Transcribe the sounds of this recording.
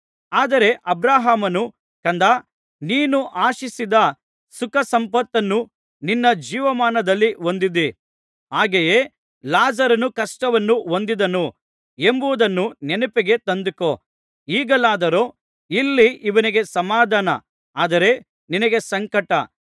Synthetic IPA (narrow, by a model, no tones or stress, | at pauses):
aːd̪ɐɾe̞ʔɐbɾaːɦaːmɐnu | kɐnd̪a | niːnuʔaːʃisid̪ɐ | sukɐsɐmpɐt̪ːɐnːu | ninːɐd͡ʒiːʋɐmaːnɐd̪ɐlːiɦo̞nd̪id̪i | ɦaːɡeje | laːzɐɾɐnukɐʂʈɐʋɐnːuɦond̪id̪ɐnu | e̞mbuʋud̪ɐnːunenupeɡe̞t̪ɐnd̪uko | iːɡɐlaːd̪ɐɾoː | ilːiiʋɐniɡe̞sɐmaːd̪ʱaːnɐ̰ | aːd̪ɐɾe̞ | ninɐɡe̞sɐŋkɐʈɐ